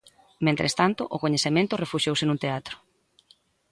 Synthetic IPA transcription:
mẽnt̪ɾḛst̪ant̪ʊʔʊkoɲeθemẽnt̪ʊrefuʃjowsɪnũnt̪eat̪ɾʊ̥

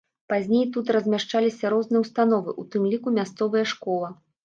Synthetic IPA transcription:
pazʲnʲejt̪̬ut̪̬rɐzʲmʲaʂt͡ʂalʲisʲɐɾɔznɨjɛwst̪an̪ɔvɨʔut̪ɨmlʲikumʲast̪sɔvɨjɐʂkɔlˠɐ

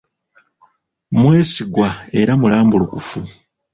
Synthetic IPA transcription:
mwe̞ːsiɡwae̞ɾamulaːmbulukufu

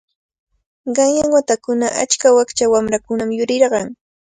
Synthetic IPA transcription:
ɢɑŋjaŋwat̪akʊnaʔa̰t͡ʃkawakt͡ʃawamɾakʊnamjʊɾɪɾɢɑŋ

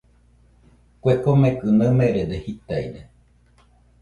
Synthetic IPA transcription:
kʷekomẽkɨnameɾed̪ehit̪ajɾe

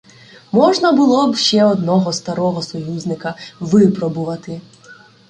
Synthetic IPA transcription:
mɔʒnɐbʊlˠɔbʃt͡ʃɛɔd̪nɔɦɔst̪ɐɾɔɦɔsɔjuzʲnɪkɐʋɪpɾɔbʊʋɐt̪ɪ

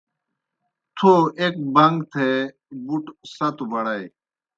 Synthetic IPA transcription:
t̪ʰoːʔeːk̚bəŋɡt̪ʰeː | buʈsət̪ʋəɽai

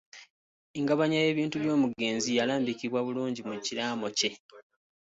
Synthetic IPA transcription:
iŋɡaβaɲaje̞ːβiːntuβjo̞ːmuɡe̞ːnzijalaːmbikiβwaβuluːɲɟimuciɾaːmo̞ce̞

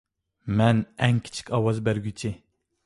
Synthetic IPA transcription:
mɛnɛŋkʲʰi̥t͡ʃʰi̥kʲʰɑwɑzbæɾɡʲyt͡ʃʰɪ

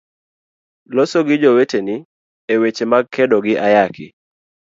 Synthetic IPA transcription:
lɔsɔɡɪd͡ʒowetenɪ | ewet͡ʃemaɡ̚kʰɛdɔɡɪʔajakɪ

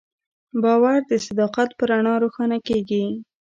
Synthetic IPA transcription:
bɑwaɾd̪əsɪd̪ɑqat̪pəɾaɳɑɾoxɑnakeɡi

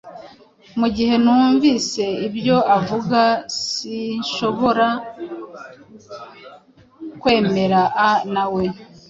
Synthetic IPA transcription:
muɟihe̞nuːɱvise̞ibjo̞avuɡasiʃo̞βo̞ɾa | kwe̞ːme̞ɾaʔanawe̞

